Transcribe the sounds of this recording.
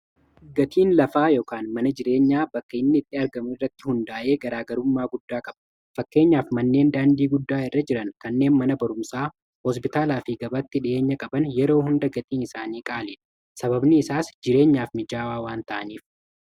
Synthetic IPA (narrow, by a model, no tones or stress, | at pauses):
ɡɐt̪ʰiːnlɐfaːjoːkaːnmɐnɐd͡ʒɪɾe̞ːɲːaːbɐkːɐɪnːɪɪt̪ʼːɪɐɾɡɐmɪrːɐt̪ːɪhʊnd̪aːʔe̞ːɡɐɾaːɡɐɾʊmːaːɡʊd̪ːaːkʼɐb̥ɐ | fɐkːe̞ːɲːaːfmɐnːe̞ːnd̪aːnd̪iːɡʊd̪ːaːɪrːɐd͡ʒɪɾɐnkɐnːe̞ːnmɐnɐbɐɾʊmsaː | hɔspɪt̪aːlaːfiɡɐbɐt̪ːɪᶑɪʔe̞ːɲːɐkʼɐbɐnjɛɾo̞ːhʊnd̪ɐɡɐt̪iːnɪsaːniːkʼaːleːᶑɐ̥ | sɐbɐbnɪɪsaːsd͡ʒɪɾe̞ːɲːaːfmɪd͡ʒaːwaːwaːnt̪ɐʔɐniːf